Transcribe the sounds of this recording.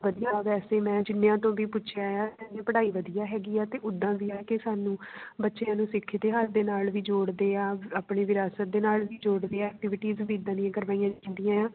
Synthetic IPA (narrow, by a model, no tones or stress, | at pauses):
ʋəd̪ijãːʋɛːseːmɛ̃ːd͡ʒɪnːjãːt̪õːʋiːpʊtːt͡ʃʰjaːjaːtɛ̃nd͡ʒẽːpəɽaːiːʋəd̪ijaːɦɛːɡiːaːt̪eːʔʊd̪ːãːbiːaːkɪsaːnũːbətːʃeãːnũːsɪkʰːd̪eːɦaɾd̪eːnaːlʋiːd͡ʒoːɽd̪eːaːaːpɳeːʋɪɾaːsət̪̚d̪eːnaːlʋiːd͡ʒoːɽd̪eːaɛːk̚ʈɪʋɪʈiːzbiːd̪ãːniãːkəɾʋaːĩːãːnd̪ɪijãːãː